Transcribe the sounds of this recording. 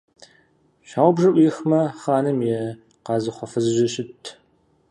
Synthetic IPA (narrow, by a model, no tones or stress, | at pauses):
ɕaːwbʐɐʔʷixmɐχaːnɨmjɛ | qɑːzɨχʷɔfɨzɨʒɪɕɪtʰ